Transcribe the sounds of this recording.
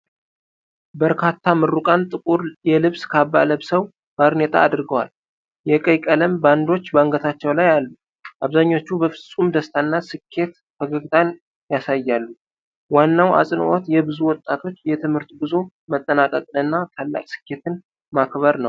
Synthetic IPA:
bəɾkʰat̪ʰːamɨrːukʼant̪ʼɨkʼuɾjɛlɨβskʰabːa̰ləβsəw | b̥aɾnet̪ʰʼa̰ːd̪ɾɡəwal | jɛkʼəjkʼələmband̪o̞t͡ʃːbaŋɡət̪ʰat͡ʃːɛwlajalːu | ʔaβzaɲːo̞t͡ʃːubəfɨsʼumd̪əst̪ʰanːasɨkʰːe̞t̪ | fəɡəɡt̪ʼan | jasajːalːu | wanːawʔa̰sʼɨn̰ʔot̪jɛbɨzuwɔt̪ʼːat̪ʰo̞t͡ʃːjɛt̪ʰɨmhɨɾt̪bɨzo | mət̪ʼːənakʼəkʼɨnɨnːat̪ʰalːa̰kʼsɨ̥kʰːe̞t̪ʰɨn | makβəɾnəw

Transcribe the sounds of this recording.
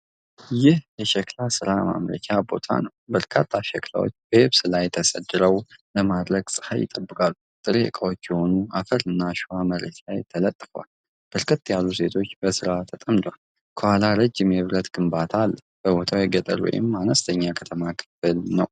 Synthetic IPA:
jɪhjɛʃɛklasɨɾama̰mɾə̰t͡ʃʰabo̞̰t̪ʰa̰nəwbəɾkʰat̪ʰːaʃɛkla̰wo̰t͡ʃːbəhɪβsɨlajɛt̪ʰəsʼəd̪ːɨɾəwləmad̪ɾəɡsʼɨ̥ha̰jɪ̰t̪ʼəbːɨkʼalːut̪ʼɨɾekʼawot͡ʃːjɛho̞nuafəɾɨnːaʃɪhaməɾə̰t̪ʰajt̪ʰələt̪ʼːɨfwa̰l | b̥əɾkʰət̪ːjalːuse̞t̪ʰo̞t͡ʃːbəsɨɾat̪ʰət̪ʼəmd̪wal | kʰəhalaɾəd͡ʒːɪmjɛβɾət̪ɡ̥ɨmbat̪ʰalː | b̥əbo̞t̪ʰawjɛɡət̪ʼə̰lwɔ̰jɪ̰manəst̪ʰəɲːakʰət̪ʰəmakʰɨ̥fɨlnəw

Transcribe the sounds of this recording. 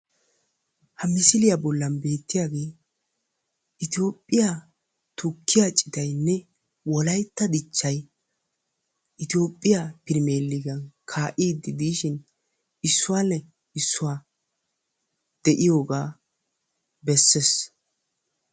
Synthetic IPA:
hɐmɪsɪlɪjabɔlːɐnbe̞ːt̪ːɪjaːɡe̞ː | ʔɪt̪ɪo̞ːpʼːɪja | t̪ʰʊkʰːɪjat͡ʃʼɪt̪ɐjnːɛ | wɔlɐjt̪ːɐd̪ɪt͡ʃːɐj | ʔɪt̪ɪjo̞ːpʼːɪjapɪɾme̞ːlːɪɡɐnkʰaːʔiːd̪ːɪd̪iːʃɪn | ɪsːʊwanɛ | ɪsːʊwaː | d̪̥ɛʔɪjo̞ːɡaː | bɛsːes

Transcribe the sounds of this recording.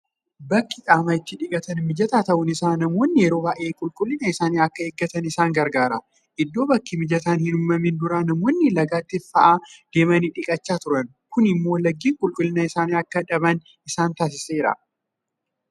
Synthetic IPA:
bɐkːɪkʼaːmɐɪt̪ːɪᶑɪkʼɐt̪ɐnmɪd͡ʒɐt̪aːt̪ɐʔʊnɪsaːnɐmo̞ːnːɪjɛɾo̞ːbaːʔeːkʼʊlkʼʊlːɪnɐɪsaːniːɐkːɐeːɡːɐt̪ɐnɪsaːŋɡɐɾɡaːɾɐ | ʔɪd̪ːo̞ːbɐkːimɪd͡ʒɐt̪aːnhɪnʊmːɐmɪnd̪ʊɾɐnɐmoːnːɪlɐɡaːt̪ːɪfɐʔaːd̪̥eːmɐniːᶑɪkʼɐt͡ʃːaːt̪ʊɾɐn | kʊnɪmːo̞ːlɐɡːiːŋkʼʊlkʼʊlːɪnɐɪsaːniːɐkːɐᶑɐbɐn | ɪsaːnt̪aːs̬ɪseːɪɾɐ̰

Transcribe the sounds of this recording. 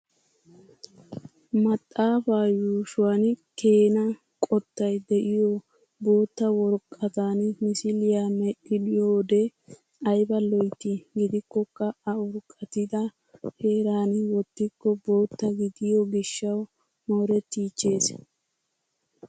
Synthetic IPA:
mɐt̪ʼːaːfaːjuːʃʊwanke̞ːnɐ | kʼɔt̪ːɐjd̪ɛʔɪjɔ | bo̞ːt̪ːɐwɔɾkʼːɐt̪aːnmɪsɪlɪjamɛɗɪlɪjoːd̪ɛ | ɐjbɐlɔjt̪ːɪɡɪd̪ɪkːɔkːɐɐʊɾkʼːɐt̪ɪd̪ɐ | he̞ːɾaːnwɔt̪ːɪkːɔbo̞ːt̪ːɐɡɪd̪ɪjɔɡɪʃːɐw | moːɾɛt̪ːiːt͡ʃːe̞ːs

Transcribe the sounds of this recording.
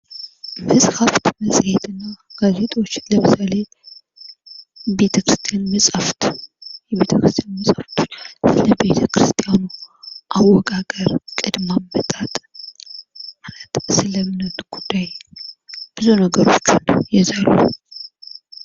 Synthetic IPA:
mɨshaft̪məsʼhet̪ʰɨnːaɡ̥aze̞t̪ʼwot͡ʃːləmɨsale̞ | be̞t̪ʰəkɾɨst̪ʰijanməsʼaft̪jɛβe̞t̪ʰəkɾɨst̪ʰʼjanməsʼaft̪ʰot͡ʃːsɨləbe̞t̪ʰəkɾɨst̪ʼijanuʔawːɔkʼakʼəɾkʼɨd̪mambət̪ʼat̪ʼ | lat̪sɨləmɨnət̪ɡ̥ud̪ːaj | b̥ɨzunəɡəɾo̞̰t͡ʃːunjɛzalṵ

